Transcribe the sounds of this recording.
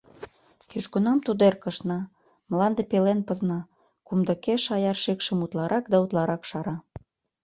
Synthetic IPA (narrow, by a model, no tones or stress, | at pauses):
jyʃkŏnɑmt̪ud̪erkə̆ʃnɑ | mlɑnd̪epelenpə̆znɑ | kumd̪ə̆keʃɑjɑrʃekʃə̆mut̪lɑɾʔɑkd̪ɑut̪lɑɾɑkʃɑɾɑ